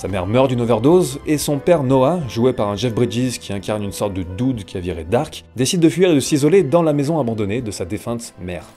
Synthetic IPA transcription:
samɛ̰ʁmœʁd̪ynovɛʁd̪ozesɔ̃pɛʁnɔaʒuepaʁɛ̃ʒɛfbʁid͡ʒizkʲʰiɛ̃kʲaʁnynsɔʁt̪̚d̪əd̪ud̪kʲiaviʁɛd̪aʁkd̪esid̪ːəfɥiʁed̪əsizɔled̪ɑ̃lamezɔ̃abɑ̃d̪ɔned̪əsad̪efɛ̃t̪mɛːʁ

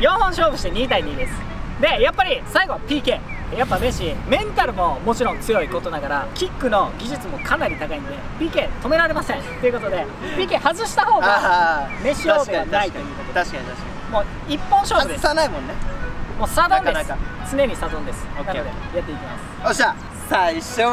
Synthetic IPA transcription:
jõːhõɰ̃ɕo̞ːbɯ̟ɕi̥t̪e̞ɲ̟iːt̪aiɲ̟iːd̪e̞sɨ̥ | d̪e̞japːaɾʲisaiɡo̞pʲiːke̞ː | japːameɕimẽ̞nt̪aɾɯ̟mo̞mo̞t͡ɕiɾõnt͡sɨjo̞ikot̪o̞naɡaɾakʲikːɯ̟no̞ɡʲiʑɨt͡sɨmo̞kʰanaɾʲit̪akaĩnod̪e̞pʲiːke̞ːt̪o̞me̞ɾaɾe̞masẽ̞nt̪e̞iɯ̟ko̞t̪o̞d̪e̞ | pʲiːke̞ːhazɨɕi̥t̪aho̞ːɡame̞ɕoːd̪eanait̪ojɯːd̪akeaɕaaɕk | mo̞ː | ipːõɰ̃ɕoːesnaimõnːemoːsad̪ãndest͡sɨne̞ɲ̟isazõnd̪e̞sɨ̥kajat̪ːe̞ikʲimasɨ̥ɕa | saiɕo

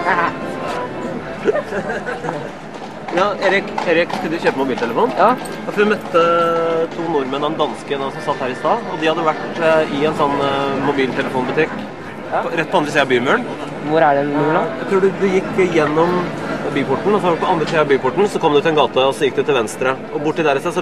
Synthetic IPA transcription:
jɑːeːɾɪkeːɾɪkt̪ʰɪld̪ɪçøːpəmʊbiːlt̪ʰɛləfuːn | ɔfɔɾʋɪmœt̪ːət̪ʰuːnʊɾmənɑʋɛnd̪ɑnskəɛnːɑsɔmsɑt̪ːhæːɾɪst̪ɑːɔd̪ɪhɑd̪ːəʋæʈɪɛnsɔnːmʊbiːlt̪ʰɛləfuːnbʉt̪ɪkː | ɾɛt̪̚ːpʰɔɑnd̪ɾəsiːɑbyːmøːɳ | ʋʊɾæɖɛuːɭɑjæɪt̪ʰɾuːɖʉd̪ʉjɪkːjɛnːɔmbyːpʊʈɳ̩ɔsɔpʰɔɑnd̪ɾəsiːɑbyːpʊʈɳ̩sɔkʰɔmd̪ʉt̪ɛnɡɑːt̪əɔsɔjɪk̚ːd̪ɪt̪ʰɪlʋɛnst̪ɾə | ɔbʊʈːɪd̪æːɾɪsɛsɔ

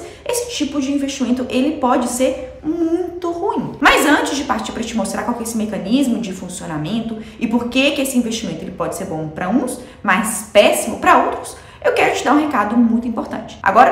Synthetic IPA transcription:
esɪ̥t͡ʃipʊd͡ʒɪĩveʃt͡ʃimẽnt̪ʊʔelɪpɔd͡ʒɪseɾ | mũj̃t̪ʊhuĩmɐzɐ̃nt͡ʃɪzd͡ʒɪpaɾt͡ʃiɾpɾɐt͡ʃɪmost̪ɾaɾkwawkɛesɪmekɐ̃nizmʊd͡ʒɪfũsionamẽnt̪ʊɪpoɾkekɪesɪĩvest͡ʃimẽt̪ʊelɪpɔd͡ʒɪseɾbõw̃pɾɐũs | majspɛsimʊpɾɐowt̪ɾʊs | ewkɛɾʊt͡ʃɪd̪aɾũɦekad̪ʊmũj̃t̪uĩpoɾt̪ɐ̰̃nt͡ʃɪ̥ʔa̰ɡɔɾɐ

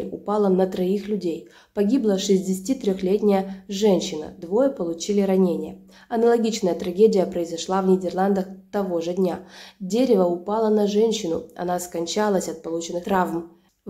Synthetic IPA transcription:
ʊpalˠənət̪ɾɐixlʲʉdʲej | pɐɡʲiblˠəʂɨzʲdʲɪsʲtʲit̪ɾʲoxlʲetʲnʲɪjəʐɛnʲɕːɪnə̰d̪vo̞jəpəlˠʊt͡ɕilʲɪɾɐnʲenʲɪjə̰ | ɐnəlˠɐɡʲit͡ɕnəjət̪ɾɐɡʲedʲɪjəpɾəɪzɐʂlˠavnʲɪdʲɪrlˠand̪əxt̪ɐvo̞ʐɨdʲnʲadʲeɾʲɪvəʊpalˠənɐʐɛnʲɕːɪnʊɐ̰naskɐnʲt͡ɕalˠəsʲɐt̪̚pɐlˠut͡ɕɪnːɨxt̪ɾavm

